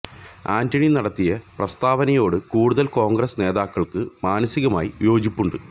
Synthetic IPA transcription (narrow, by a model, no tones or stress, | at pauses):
aːndɐɳinɐɽɐt̪ːijɐprɐst̪aːʋɐnɐjo̞ːɽɨkuːɽuðɐlko̞ːŋɡɾɐsne̞ːðaːkːɐɭkɨmaːnɐsiɣɐma̰ːjijo̞ːd͡ʑipːuɳɖɨ